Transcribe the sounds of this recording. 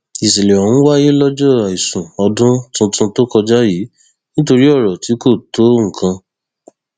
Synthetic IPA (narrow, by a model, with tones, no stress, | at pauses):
i˨si˨le˨wã˨ñ̩˦wa˦je˦lɔ˦d͡ʒɔ˦˨a˨i˨sũ˨ɔ˧dũ˦tũ˧˦tũ˧to˦kɔ˧d͡ʒa˦ji˨˦ | nĩ˦to˧ɾi˦ɔ˦˨ɾɔ˨ti˨˦ko˦˨to˨˦ŋ̩˨kʰã˧